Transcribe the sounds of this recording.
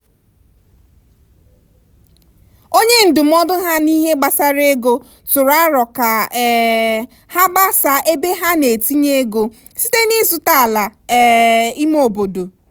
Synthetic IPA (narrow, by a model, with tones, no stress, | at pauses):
o˦ɲe˦n̩˨dʊ˨m̩˦ɔ˦dʊ˦ɦa˦ni˦ɦe˦ɡ͡ba˨sa˦ɾe˦ɡo˦ | tʊ˨ɾa˦ɾɔ˨ka˨ɛ˨ | ha˦ɡ͡ba˦sa˨ʔe˦be˦ɦa˦ne˨ti˦ɲe˦ɡo˨ | si˦te˦ni˦zu˨ta˦˨la˨˦ | i˦m˦o˨bo˨do˨